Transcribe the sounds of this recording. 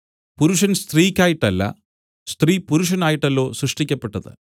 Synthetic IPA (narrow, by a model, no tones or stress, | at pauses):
puɾuʂɐnst̪riːkʲːaːjiʈːɐlːɐ̰ | st̪riːpuɾuʂ̬ɐnaːjiʈːɐlːo̞ːsrɨʂʈikʲːɐpːe̞ʈːɐðɨ̰